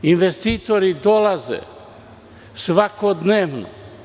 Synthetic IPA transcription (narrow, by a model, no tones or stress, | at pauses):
inʋest̪iːt̪oɾid̪o̞lazḛ | sʋakod̪neːʋno̰